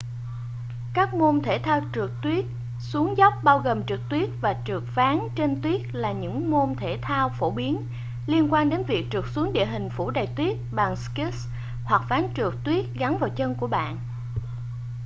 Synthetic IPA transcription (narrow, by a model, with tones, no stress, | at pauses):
kaː˦˥k̚mo˧nt̪ʰe˧˩t̪ʰaː˧wt͡ɕɨ˨˩ək̚t̪wi˦˥ət̚ | su˨˦əŋzɔ˦˥wp̚ɓaː˧wɣoː˨˩mt͡ɕɨ˨˩k̚t̪wi˦˥ət̚vaː˨˩t͡ɕɨ˨˩ək̚faː˨˦ŋt͡ɕe˧nt̪wi˦˥ət̚laː˨˩ɲɨ̰˧˥ŋmo˧nt̪ʰe˧˩t̪ʰaː˧wfo˧˩ɓi˨˦ən | li˧ənkwaː˧nɗe˨˦nvi˨˩ək̚t͡ɕɨ˨˩ək̚su˨˦əŋɗḭ˧˨ɦï˨˩ŋ̟fu˧˩ɗə˨˩jt̪wi˦˥ət̚ɓa˨˩ŋski˦˥s | hwa˨˩k̚faː˨˦ŋt͡ɕɨ˨˩ək̚t̪wi˦˥ət̚ɣa˨˦nvaː˨˩wt͡ɕə˧nku˧˩əɓa̰ː˧˨n